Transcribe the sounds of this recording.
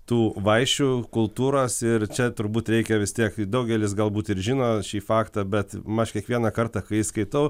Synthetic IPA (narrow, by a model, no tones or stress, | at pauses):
t̪uːʋɐɪʃʲt͡ʃʲuːkʊlˠt̪uːɾoːsɪrt͡ʃʲɛt̪ʊɾbuːt̪ɾʲɛɪkʲɛʋʲɪst̪ʲiɛkd̪ɐʊɡʲɛlʲɪsɡɐlˠbuːt̪ɪɾʒʲɪnoːʃʲiːfɑːkt̪ɐbʲɛt̪mɐʃkʲiɛkʋʲiɛnɐkɐrt̪ɑkɐɪiskɐɪt̪ɐʊ